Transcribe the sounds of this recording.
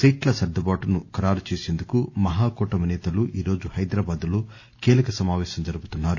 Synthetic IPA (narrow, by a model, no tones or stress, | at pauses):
siːʈlɐsɐɾd̪ɐbaːʈɐnukɐɾaːɾut͡ʃeːse̞ːnd̪ukumɐɦaːkɔːʈɐmɐnɛːt̪ɐluʔiːɾo̞ːd͡ʒuhɐjd̪ɾaːbaːd̪uloː | kiːlɐkɐsɐmaːʋɛːʃɐmd͡ʒɐɾubut̪unːaːɾu